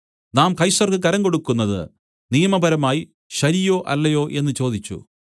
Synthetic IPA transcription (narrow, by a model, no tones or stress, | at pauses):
naːmkɐjsɐrkɨkɐɾɐŋɡo̞ɽukːunːɐðɨ̰ | nijɐmɐbʱɐɾɐmaːji | ɕɐɾijo̞ːʔɐlːɐjo̞ːʔe̞nːɨt͡ɕo̞ːd̪it͡ɕːṵ